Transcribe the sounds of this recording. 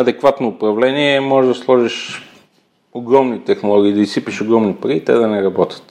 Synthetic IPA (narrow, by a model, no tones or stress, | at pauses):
ɐd̪ɛkvat̪noːpɾɐvlɛniɛmɔʒɛʒd̪ɐslˠɔʒiʃ | oɡɾɔmnit̪ɛxnolˠɔɡʲiːd̪ɐisipiʃoɡɾɔmnipɐɾiːt̪ɛ̰d̪ɐnɛɾɐbɔt̪ʲə̥t̪